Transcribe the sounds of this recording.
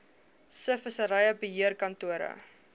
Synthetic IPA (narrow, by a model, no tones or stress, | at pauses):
səfəsəɾɐjəbəɦiərkɐntuəɾə̰